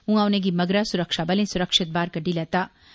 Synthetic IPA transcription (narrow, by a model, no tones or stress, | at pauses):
ũawnẽɡimɐɡɾasʊɾɐkʃaːbɐlẽsʊɾəkʂɪt̪̚baːɾkɐɖilɛːt̪aː